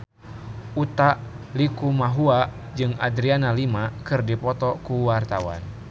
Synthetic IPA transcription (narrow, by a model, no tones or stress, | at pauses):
ʔut̪aʔlikumaɦua | d͡ʒɨŋa̰dɾianalimakɨrdipɔt̪ɔkuwart̪awa̰n